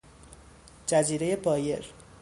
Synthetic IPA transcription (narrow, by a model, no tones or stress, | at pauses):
d͡ʒæziːɾe̞je̞bɒːje̞̰ɾ